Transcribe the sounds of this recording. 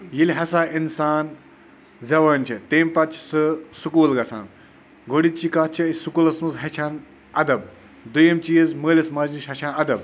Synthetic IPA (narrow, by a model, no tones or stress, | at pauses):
jilʲɦɐsaːinsaːn | zɐʋɐːnʲt͡ʃʰit̪eːmpɐt͡ʃʰsɨsukuːlɡɐsʰa̰ːn | ɡʱoɽit͡ʃiːkaːt͡ʃʰisukuːlɐsmɐzɦɐt͡ʃʰaːn | ɐd̪ɐb | d̪ujɐmt͡ʃijezməːlʲɐsmɐzniʃɦɐt͡ʃʰaːnɐd̪ɐb